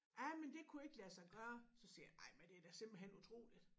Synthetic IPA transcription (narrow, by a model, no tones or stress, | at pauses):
ʔɑɪmend̥e̝kʰue̝ɡ̥əlæsɑ̈ɪɡ̥ɶːɐsɒ̽sḭːɑ̈ɪmend̥e̝æd̥æsem̰b̥l̩ɦen̰ut͡sʰʁo̝̰ːlid̥